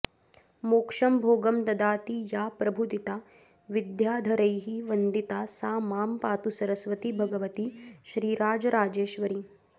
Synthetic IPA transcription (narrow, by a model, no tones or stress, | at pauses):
moːkʂɐmbʱoːɡɐmt̪ɐd̪aːt̪ijaːpɾɐbʱud̪it̪aː | ʋid̪jaːd̪ʱɐɾɐjɦiʋɐnd̪it̪aːsaːmaːmpaːt̪usɐɾɐsʋɐt̪ibʱɐɡɐʋɐt̪iʃɾiːɾaːd͡ʒɐɾaːd͡ʒeːʃʋɐɾi